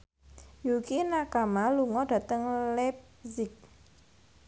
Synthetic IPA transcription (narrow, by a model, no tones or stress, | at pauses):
jukinakamaluŋɔd̥a̤t̪əŋlɛp̚ | zɪk̚